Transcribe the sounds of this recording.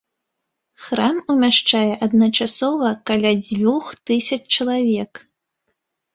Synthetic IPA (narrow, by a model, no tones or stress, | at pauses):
xɾamumʲaʂt͡ʂajɛʔɐd̪nɐt͡ʂasɔvɐkalʲad͡zʲvʲuxt̪ɨsʲɐt͡ʂt͡ʂɐlˠavʲɛk